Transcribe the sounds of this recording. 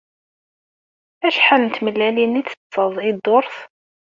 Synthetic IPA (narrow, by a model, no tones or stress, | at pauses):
æʃħalənt̪məlːæliniθə̥t͡sːəðˤid̪oɾˤθ